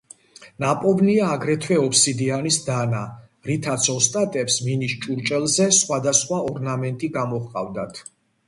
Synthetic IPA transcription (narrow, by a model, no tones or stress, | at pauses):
napʼɔvniaːɡɾɛt̪ʰwɛɔpsid̪ianisd̪ana | ɾit̪ʰat̪sʰɔst̪ʼat̪ʼɛpsminiʃt͡ʃʼuɾt͡ʃʼɛlˠzɛsχwad̪asχwaɔɾnamɛnt̪ʼiɡamɔχqʼavd̪at̪ʰ